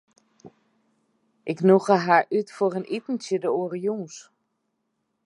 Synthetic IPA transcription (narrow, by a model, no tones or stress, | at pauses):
ʔɪknuɣəɦaɹʔytforənʔitn̩tjədəoːɾijuːs